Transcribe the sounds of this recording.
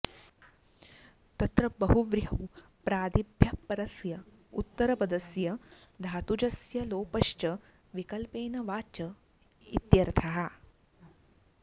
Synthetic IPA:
t̪ɐt̪ɾɐbɐɦuʋɾɦɐw | pɾaːd̪ibʱjɐpːɐɾɐsjɐ | ṵt̪ːɐɾɐpɐd̪ɐsjɐ | d̪ʱaːt̪ud͡ʒɐsjɐloːpɐʃt͡ʃɐ | ʋikɐlpeːnɐʋaːt͡ʃɐ | ḭt̪jɐɾt̪ʰɐɦɐ

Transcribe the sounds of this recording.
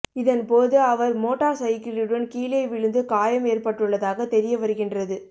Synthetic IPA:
ɪðɐnpoːðɯɐʋɐɾmoːʈːaːɾsɐjɪkːɪɾɯɽɯnkiːlɐɪʋɪɻɯnd̪ɯkaːjɐmeːrpɐʈːɯɭːɐðaːɣɐt̪ɛɾɪjɐʋɐɾɯɣɪndrɐðɯ

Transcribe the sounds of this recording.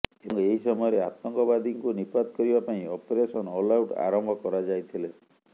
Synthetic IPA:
eŋkeɦisɔmɔjɔɾea̰t̪ɔŋkɔβad̪ʱiŋkunipad̪̚kɔɾibapaĩɔpeɾesɔnɔlawʈa̰ɾɔmbʱɔkɔɾad͡ʒajt̪ʰile

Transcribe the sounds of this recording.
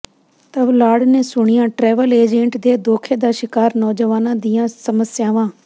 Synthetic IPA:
t̪əʋlaːɽneːsʊɳ̃ɪjãːʈɾɛːʋəleːd͡ʒẽːɳʈd̪eːd̪oːkʰeːd̪aːʃɪkaːɾnɔːd͡ʒəʋaːnãːd̪ɪjãːsəməsjaːʋãː

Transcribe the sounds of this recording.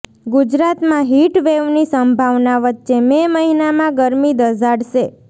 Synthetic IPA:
ɡud͡ʒɾat̪mãɦiʈʋeʋnisəmbʱaʋnaʋətːʃememəɦinamãɡəɾmid̪əd͡ʒʱaɽʃe

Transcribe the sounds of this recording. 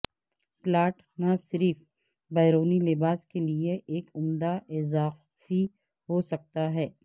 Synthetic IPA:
plaːʈ | nasɪɾif | baːɾoːnilɪbaːskelieʔeːkʊmd̪aʔɪzaː | fi | ɦosɐk̚t̪aɦɛː

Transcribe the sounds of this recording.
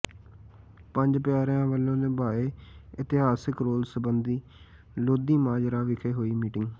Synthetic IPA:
pəɲd͡ʒpjaːɾjãːʋəlːõːnẽːbaːeːɪt̪ɪɦaːsɪkɾoːlsəbənd̪iː | loːd̪iːmaːd͡ʒɾaːʋɪkʰeːɦoːiːmiːʈɪŋɡ

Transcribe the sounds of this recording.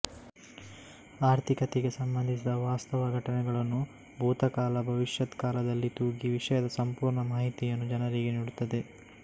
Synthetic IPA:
aːɾt̪ʰikɐt̪eɡe̞sɐmbɐnd̪ʱisid̪ɐʋaːst̪ɐʋɐɡʱɐʈɐnɛɡɐɭɐnːu | bʱuːt̪ɐkaːlɐbʱɐʋiʂjɐd̪kaːlɐd̪ɐlːit̪uːɡiʋiʂɐjɐd̪ɐsɐmpuːɾɳɐmaːɦit̪ijɐnːud͡ʒɐnɐɾiɡeniːɽut̪ːɐd̪e̞

